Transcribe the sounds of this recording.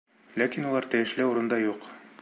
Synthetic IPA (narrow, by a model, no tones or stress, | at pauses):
lækinulˠɑɾt̪æ̆jɘ̆ʃlɘuɾɤ̆nd̪ɑjuq